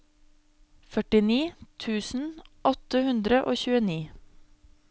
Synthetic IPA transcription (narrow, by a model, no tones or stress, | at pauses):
fœʈɪniːt̪ʰʉːsn̩ʔɔt̪əhʉnd̪ɾəʔoːçʉːəniː